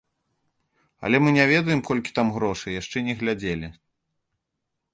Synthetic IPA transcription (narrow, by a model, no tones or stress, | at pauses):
ɐ̰lʲɛmɨnʲavʲɛd̪ɐjɛmkɔlʲkʲi̥t̪amɣɾɔʂɨjaʂt͡ʂɛnʲɛɣlʲad͡zʲelʲi